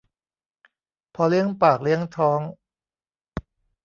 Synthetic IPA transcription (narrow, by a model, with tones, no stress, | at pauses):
pʰɔ˧li˥əŋpaː˨˩k̚li˥˩əŋt̪ʰɔː˦˥ŋ